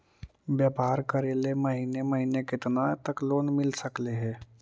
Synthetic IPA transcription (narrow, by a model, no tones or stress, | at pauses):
bjaːpaːɾkəɾeːlemɐɦineməɦiːnekɪt̪nat̪əkloːnmɪlsəkleɦɛ̃ː